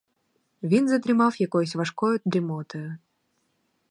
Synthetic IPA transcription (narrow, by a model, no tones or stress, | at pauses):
vʲinzɐd̪ɾɨmawjakɔjsʲvaʂkɔjʊd̪ɾɨmɔt̪ɐjʊ